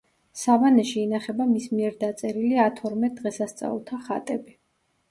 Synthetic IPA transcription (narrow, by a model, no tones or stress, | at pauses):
savanɛʃiːnaχɛbamismiɛɾd̪at̪sʼɛɾiliat̪ʰɔɾmɛd̪ʁɛsast̪sʼa̰ulˠt̪ʰaχa̰t̪ʼɛbi